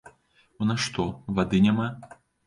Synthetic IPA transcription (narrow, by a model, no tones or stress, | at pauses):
unɐʂt̪ɔvad̪ɨnʲama